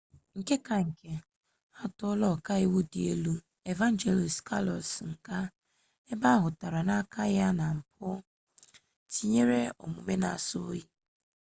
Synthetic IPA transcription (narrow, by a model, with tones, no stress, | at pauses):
ŋ̩˨ke˦ka˨ŋ̩˨ke˨ | a˦tɔ˦lɔ˦˨ka˦i˦wu˦di˨e˦lu˦ | e˨va˦n˦d͡ʒe˨li˨ska˦lɔ̰˨sŋ̩˨ka˦ | e˦ba˦ɦʊ˨ta˨ɾa˨na˦ka˦ja˦na˨m̩˨p̚ʊ˦ | ti˦ɲe˦ɾe˦o̰˨mu˨me˦na̰˨sʊ˦i˦